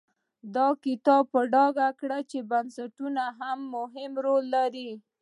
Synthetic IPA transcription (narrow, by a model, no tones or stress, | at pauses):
d̪ɑkɪt̪ɑb̚pəɖɑɡakɽat͡ʃebansaʈunaɦamːʊɦɪmɾolːaɾi